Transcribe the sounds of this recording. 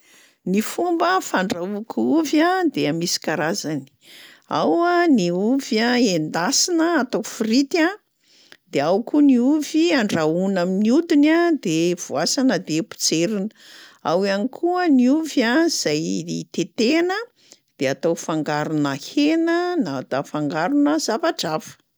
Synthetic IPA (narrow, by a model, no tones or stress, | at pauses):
nifumbəfaɳɖ͡ʐaukʰuvjad̪eamisi̥kaɾazani̥ | a̰waniuvjaend̪asinəat̪ofirit̪a | d̪eawkuniuviaɳɖ͡ʐaunaminiud̪inad̪ev̥uasanəd̪epu̥t͡seɾinəawianikʰuəniuvjaz̥ajt̪et̪enə | d̪̥eat̪awfaŋɡaɾunahenənat̪afaŋɡaɾunəz̥avaʈ͡ʂavfə̥